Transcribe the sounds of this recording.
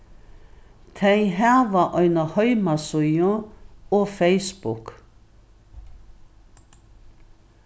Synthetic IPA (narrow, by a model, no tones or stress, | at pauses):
t̪ʰæɪɦæːʋɑːʔœʏnəhœʏmɑsʊjɔoːfeɪsbʊk